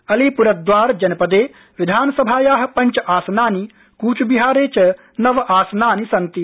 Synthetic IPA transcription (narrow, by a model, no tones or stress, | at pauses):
ɐlipuɾɐd̪ʋaːɾd͡ʒɐnɐpɐd̪eː | ʋid̪ʱaːnɐsɐbʱaːjaːɦɐ̆pɐɲt͡ʃɐʔaːsɐnaːni | kuːt͡ʃubiɦaːɾeːt͡ʃɐ | nɐʋɐʔaːsɐnaːnisɐnt̪i